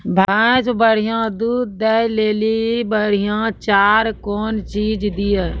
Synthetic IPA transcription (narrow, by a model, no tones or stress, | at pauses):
bʱãːt͡ʃbəɽ̤ijãd̪uːd̪ːɛɦleːlibəɽ̤ijãt͡ʃaːɾkɔːnt͡ʃiːd͡ʒd̪iɛ